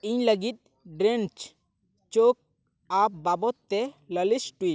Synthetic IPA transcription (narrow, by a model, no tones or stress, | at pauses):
iɲləɡit̪̚ | ɖɾent͡ʃ | t͡ʃok̚ | ap̚babɔt̪ːɛləlisʈui